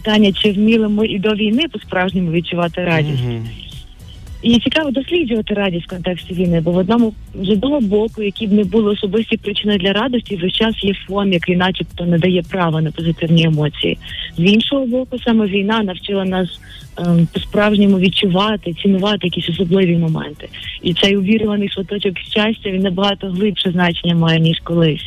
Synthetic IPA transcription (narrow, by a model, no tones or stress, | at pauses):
pɪt̪ɑnʲːɐt͡ʃɪwmʲilˠɪmɪʔid̪ɔʋʲijnɪpɔspɾɑwʒnʲimʊʋʲd̪̚t͡ʃʊʋɑt̪ɪɾɑdʲisʲtʲ | it͡sʲikɑʋɔd̪ɔsʲlʲid͡ʒʊʋɐt̪ɪɾɑdʲisʲt̪kɔnt̪ɛksʲtʲiʋʲijnɪbɔʋɔd̪nɔmʊ | zɔd̪nɔɦɔbɔkʊjɐkʲibnɛbulˠɪɔsɔbɪsʲtʲipɾɪt͡ʃɪnɪd̪lʲɐɾɑd̪ɔsʲtʲiʒɛʃt͡ʃɑsjɛfɔmjɐkinɑt͡ʃipt̪ɔnɛd̪ɐjɛpɾɑʋɐnɐpɔzɪt̪ɪwnʲiemɔt͡sʲḭjḭzinʃɔɦɔbɔkʊsɑmɛʋʲijnɑnɐwt͡ʃɪlˠɐnɑs | pɔspɾɑwʒnʲimʊʋʲid̚t͡ʃʊʋɑt̪ɪt͡sʲinʊʋɑt̪ɪjɐkʲisʲɔsɔblˠɪʋʲimɔmɛ̰nt̪ɪ̥it̪sɛjʊʋʲiɾʊʋɐnɪjsʋɔt̪ɔt͡ʃɔkʃʲt͡ʃasʲtʲɐʋʲinnɐbɐɦɑt̪ɔɦlˠɪpʃɛznɑt͡ʃenʲːɐmɑjɛnʲiʃkɔlˠɪsʲ